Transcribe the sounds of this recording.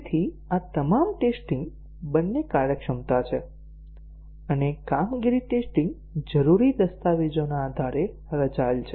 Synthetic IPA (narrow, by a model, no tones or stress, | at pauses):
t̪ʰi | at̪əmamʈesʈĩŋɡ | bənːekaɾɾjəkʃəmt̪at͡ʃʰe | ənekamɡiɾiʈesʈiŋɡ | d͡ʒəɾuɾid̪əst̪aʋed͡ʒonaːd̪ʱaɾe | ɾəd͡ʒaelt͡ʃʰe